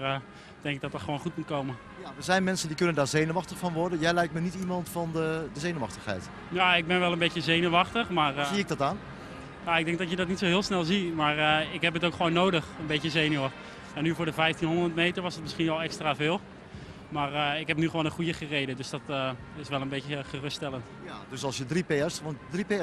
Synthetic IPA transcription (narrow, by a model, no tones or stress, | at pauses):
d̥ɛŋkɪɡ̚dɔtətχəʋoːnχutmut̚kowmən | jaʋəzɛjnmɛnsəndikɵnəndaːɹzejnəʋɑχtəχfɔnʋɔɹdənjɛjlɛjktmənitimɑntfɔndədəzejnəʋɑ̰χtəχhɛ̰jt | jaɪɡ̚bɪnʋɛlˠənbejtəzejnəʋɑχtəχmaːrziɪɡ̚dɔtaːn | jaɪɡ̚dɛŋk̚dɔtjədɔtnitsoɦɪːlˠsnɛlˠzimaːrəɪkɦɛpətowkχəʋownːowdəχənbetəzejnə | ɛnːyvʊːɹdəvɛjftinɦondətmejtəɹʋɑsət̚mɪsχinʋɛlˠɛkstraːvɪːlˠ | maːrɪkɦɛp̚nyχəʋoːnənχujəχərejdədøsd̥ɔtə | ɪsʋɛlˠənbeəχərʏsttɛlˠəntjadøsɑlˠsjədripeɛsɔndripe